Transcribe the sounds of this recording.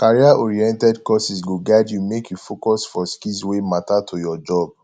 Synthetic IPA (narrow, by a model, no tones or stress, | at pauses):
kaɹiaʔɔɹiɛ̃ntɛdkɔsisɡoɡaɪdjumekjufokɔsfɔskiswematatʰujɔd͡ʒɔb̚